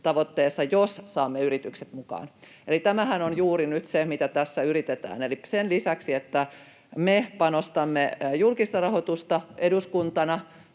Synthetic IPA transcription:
t̪ɑʋot̪ːeːsːɑjossɑːmːeyrit̪ykse̥t̪mukɑ̰ːnelit̪æmæhænonjuːrinyt̪semit̪æt̪æsːæyrit̪et̪æ̰ːnelisenlisæksiet̪ːæ | mepɑnost̪ɑmːejulkist̪ɑrɑhot̪ust̪ɑeduskunt̪ɑnɑ

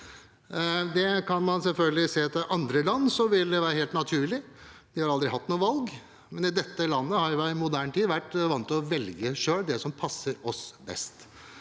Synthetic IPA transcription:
d̪ɛkʰɑnmɑnsɛlfœlɡəlɪseːt̪ɪʔɑnd̪ɾəlɑnːsɔʋɪld̪ɛʋæːɾəheːlt̪nɑt̪ʰʉːɭɪd̪̥ɪhɑɾɑld̪ɾɪɦɑt̪ːnuːəʋɑlɡ | mɛnɪd̪ɛt̪ːəlɑnːəhɑɾjʊʋæɪmʊd̪æːɳʈ̪ʰiːd̪ʋæʈːʋɑnt̪ɔʋɛlɡəʂøːld̪ɛsɔmpʰɑsːəɾɔsbɛ̰st̪

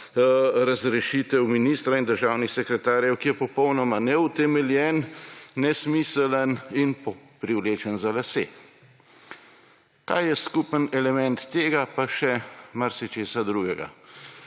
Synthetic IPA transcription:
ɾazɾɛʃit̪ɛwminist̪ɾaind̪əɾʒaːwnixsɛkɾɛt̪aːɾjɛwkijɛpɔpɔwnɔmanɛut̪ɛmɛljɛnːɛsmiːsələninpɔpɾiwleːt͡ʃənzalasḛː | k̪a̰ːjɛskupənɛlɛmɛnt̪ːeːɡapaʃɛmaɾsit͡ʃeːsad̪ɾuːɡɛɡa̰

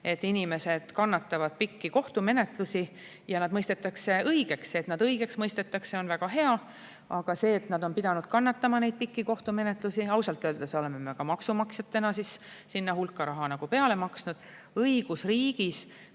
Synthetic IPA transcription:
e̞t̪ːˑinime̞se̞d̪̥kɑnːɑt̪ːˑɑvɑd̪̥̚pikːiko̞ht̪ume̞ne̞t̪lusi | jɑnɑd̪̥mɤjst̪e̞t̪ːˑɑkse̞ɤjɡ̥e̞kset̪nɑd̪ɤjɡ̥e̞ksmɤjst̪e̞t̪ːˑɑkseo̞nvæɡ̥ɑɦe̞ɑ | ɑɡ̥ɑse̞ːt̪nɑd̪o̞npid̪̥ɑnud̪̥kɑnːɑt̪ːɑmɑne̞jd̪̚pikːiko̞ht̪ume̞net̪lusiɑwsɑlt̪ːˑøːld̪ɑseo̞le̞me̞me̞kɑmɑksumɑksjɑt̪ːenɑsissinːɑhulkːˑɑɾɑɦɑnɑɡ̥upe̞ɑle̞mɑksnud̪̥ | ɤiɡ̥usriːɡ̥is

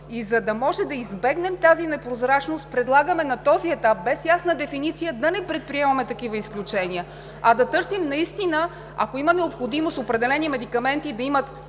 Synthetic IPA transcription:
izɐd̪ɐmɔʒɛd̪ɐizbɛɡnɛmt̪azinɛpɾozɾat͡ʃnost̪̚pɾɛd̪lˠaɡəmɛnɐt̪ɔziɛt̪ap̚bɛsjasnəd̪ɛfinit̪sijəd̪ɐnɛpɾɛt̪̚pɾiɛmɐmɛt̪ɐkivəisklʲut͡ʃɛniə | ɐd̪ɐt̪ɤɾsimnɐist̪inə | ɐ̰koimənɛopxod̪imost̪opɾɛd̪ɛlɛnimɛd̪ikɐmɛnt̪id̪ɐimət̪

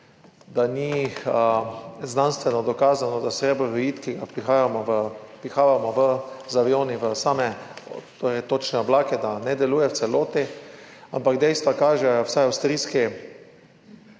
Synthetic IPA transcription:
d̪aniəznanst̪ʋɛnɔd̪ɔkaːzanɔd̪asɾeːbɔɾɔjiːt̪kiɡapɾixaːjamɔəpɾixaːʋamɔʋəzaʋioːniʋəsamɛt̪oɾɛjt̪ot͡ʃnɛɔblaːkɛd̪anɛd̪ɛluːjɛwt̪sɛloːt̪ia̰mpaɡd̪ɛjst̪ʋakaːʒɛwsajawst̪ɾiːski

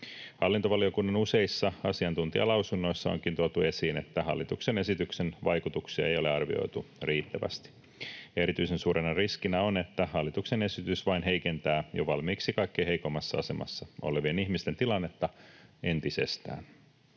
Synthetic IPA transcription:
hɑlːint̪oʋɑliokunːɑnuse̞isːɑɑsiɑnt̪unt̪iɑ̰lɑwsunːo̞jsːɑo̰ŋkint̪uot̪ue̞siːne̞t̪ːæɦɑ̰lːit̪ukse̞ne̞sit̪yksenʋɑjkut̪uksiɑ̰ejo̞le̞ɑrʋḭo̰jt̪uriːt̪ːæʋæ̰st̪i̥ | e̞ɾit̪yjse̞nsuːɾenɑriskinæo̞ne̞t̪ːæhɑlːit̪ukse̞ne̞sit̪ysʋɑinɦe̞jke̞nt̪æːjoʋɑlmiːksikɑjkːejhe̞iko̞mːɑsːɑɑse̞mɑ̰sːɑo̞̰le̞ʋienihmist̪ent̪ilɑnːe̞t̪ːɑe̞nt̪ise̞̰st̪æ̰ːn

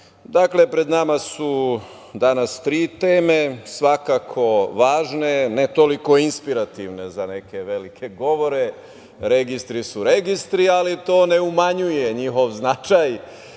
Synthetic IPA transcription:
d̪akle̞pɾe̞d̪namasu | d̪anast̪ɾiːt̪eːme̞sʋakakʰo̞ʋaːʒne̞net̪oliko̞inspiɾat̪iʋne̞zane̞ke̞ʋe̞likʰe̞ɡo̞ʋo̞ɾe̞ | ɾe̞ɡist̪ɾisuɾe̞ɡist̪ɾialit̪o̞ːne̞umaɲuje̞ɲixo̞ʋznat͡ʃaj

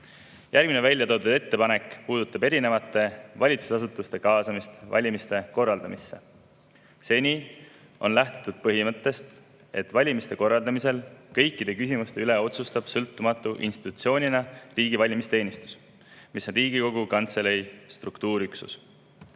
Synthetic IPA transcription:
jʔærɡminevælʲjɑt̪o̞ːt̪ud̥̪et̪ːe̞pɑne̞kˑpuːd̪̥ut̪ːˑɑbe̞ɾine̞vɑt̪ːˑe̞vɑlʲit̪su̥sɑs̬ut̪ːˑust̪e̞kɑːsɑmist̪vɑ̰lʲimist̪e̞ko̞rːɑld̪ɑmisːe̞̰ | se̞nʲiː | o̞nlæht̪et̪ːˑud̪̥̚pɤɦimɤt̪ːe̞st̪ | e̞t̪ˑvɑlʲimist̪e̞ko̞rːɑld̪ɑmise̞lkɤ̞jkːid̪̥e̞kysimust̪e̞yle̞o̞t̪sust̪ɑb̥sɤlt̪ːˑumɑt̪ˑːuʔḭnst̪i̥t̪ːut̪sio̞ːnʲinɑriːɡivɑlʲimist̪e̞ːnist̪u̥s | miso̞nriːɡ̥iko̞ɡ̥ukɑnt̪se̞lejst̪rukt̪uːɾyksṵs

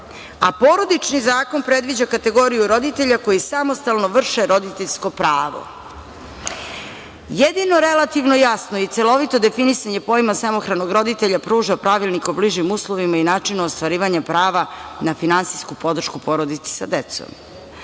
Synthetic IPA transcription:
apo̞ɾo̞d̪it͡ʃnizaːko̞npɾe̞d̪ʋid͡ʑakat̪e̞ɡo̞ɾijuɾo̞d̪it̪e̞ʎako̞jisamo̞st̪alˠno̞ʋr̩ʃeɾo̞d̪it̪eʎʲsko̞pɾaːʋo̰ | jed̪ino̞ɾelat̪iʋnojasnoit̪selˠo̞ʋit̪od̪e̞finisaɲe̞po̞jmasamo̞xɾano̞ɡɾo̞d̪it̪eʎapɾuːʒapɾaʋilnikobliʒimuːslˠoʋimainaːt͡ʂinaost̪ʋaɾiːʋaɲapɾaːʋanafinansijskupo̞d̪r̩ʃkupo̞ɾod̪it̪se̥sa̰d̪et̪so̰m

